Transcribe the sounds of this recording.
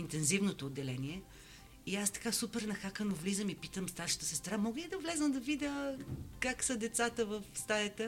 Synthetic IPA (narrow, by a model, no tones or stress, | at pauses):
int̪ɛnzivnot̪oːd̪ːɛlɛniɛ | iast̪ɐ̥kasupɛɾnɐxakənovlizəmipit̪əmst̪aɾʃə̥t̪ə̥sɛst̪ɐnamɔɡəlid̪ɐvlɛzəmd̪ɐvid̪ʲəkaksəd̪ɛt̪sat̪əvəfst̪ajət̪ə